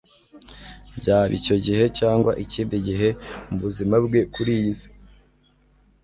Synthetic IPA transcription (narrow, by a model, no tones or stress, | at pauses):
bɟaːβḭco̞ɟiɦe̞caːŋɡwaʔiciːndiɟiɦe̞muβuzimabɡe̞kuɾize̥